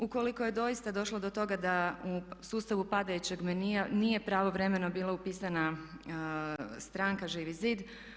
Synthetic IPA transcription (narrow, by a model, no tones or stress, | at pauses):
uko̞liko̞je̞d̪o̞ist̪ad̪o̞ʃlˠo̞d̪o̞t̪o̞ɡad̪ausuːst̪aʋupad̪ajut͡ɕe̞ɡmeninije̞pɾaːʋo̞ʋɾe̞me̞no̞biːlˠaupiːsana | st̪ɾaːŋkaʒiːʋiziːd̪